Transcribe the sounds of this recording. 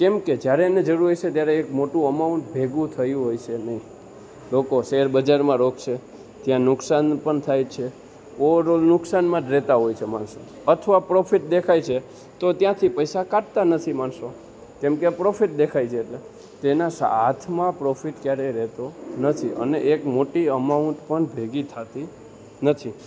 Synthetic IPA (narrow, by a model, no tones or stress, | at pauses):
kemked͡ʒjaɾened͡ʒəɾuɾiʃet̪jaɾeːkmoʈũəmaũɳʈ̚bʱeɡũt̪ʰəjũɦojt͡ʃʰenəɦĩ | lokoʃeɾbəd͡ʒaɾmãɾokʰʃe | t̪jãnʊksanpəɳt̪ʰajt͡ʃʰe | oɾolnʊksanmãt̪ɾɛt̪aɦojt͡ʃʰemaɳso | ət̪ʰəʋapɾofiʈ̚d̪ekʰajt͡ʃʰe | t̪ot̪jãt̪ʰipəjsakaʈ̚t̪anət̪ʰimaɳso | kɛmkepɾofiʈ̚d̪ekʰajt͡ʃʰeːʈle | t̪enasa̰at̪ʰmãpɾofiʈkjaɾeɾɛt̪onət̪ʰiʔə̰neʔekmoʈiəmaũɳʈpəɳbʱeɡit̪ʰat̪i | nət̪ʰi